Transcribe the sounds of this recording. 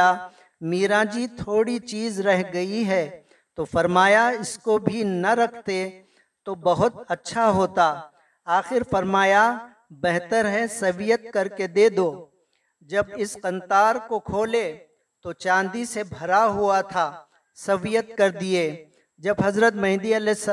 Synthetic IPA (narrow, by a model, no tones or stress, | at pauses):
a | miːɾãːd͡ʒit̪ʰoːɽit͡ʃiːzɾɛɦɡɐiɦɛ | t̪ofɐɾmaːjaɪskobʱinɐɾɐkʰt̪e | t̪obɐɦʊt̪ɐtːʃʰaɦoːt̪aː | aːxɪɾfɐɾmaːja | bɛɦt̪əɾɦɛsɐʋijət̪̚kɐɾked̪eːd̪oː | d͡ʒɐbɪsqɐ̃nt̪aːɾkokʰoːle | t̪ot͡ʃãːnd̪isebʱɐɾaɦuat̪ʰaː | sɐʋijət̪̚kɐɾd̪ieː | d͡ʒɐbɦɐzɾət̪mɛ̃ɦɪ̃d̪iɐlɛɪs